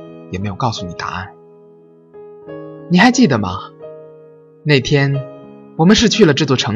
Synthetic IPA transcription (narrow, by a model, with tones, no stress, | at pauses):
jɛ˨˩me˧˥ɪjo˨˩ʊkɑ˥˩ʊsu˧˩ni˨˩t̪a̰˧˥a̰˥˩n | ni˨˩xa˧˥ɪt͡ɕi˥˩d̪ə˩mɐ̰˨˩ | ne˥˩ɪt̪ʰjɛ˥nwɔ˨˩mə˦nʂ̬ɻ̩˥˧t͡ɕʰy˥˩lə˩ʈ͡ʂɤ˥˧t͡swɔ˥˩ʈ͡ʂʰɤ˧˥